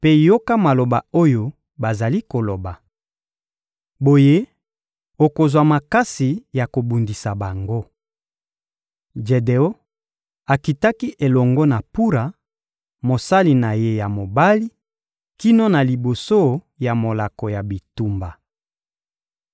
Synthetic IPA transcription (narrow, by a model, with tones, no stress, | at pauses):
pe˦jo˦ka˦ma˨lo˨ba˨o˦jo˨ | ba˨za˨li˦ko˨lo˨ba˨ | bo˨je˦ | o˨ko˨zwa˨ma˨ka˦si˨ja˨ko˨bu˨ndi˨sa˨ba˨ŋɡo˦ | d͡ʒe˨de˨o˦ | a˨ki˨ta˦ki˦ʔe˨lɔ˨ŋɡɔ˦na˨pu˦ɾa˨ | mo˨sa˦li˨na˨je˦ja˨mo˨ba˦li˦ | ki˦no˦na˨li˨bo˨so˦ | ja˨mo˨la˨kɔ˨ja˨bi˨tu˨mba˨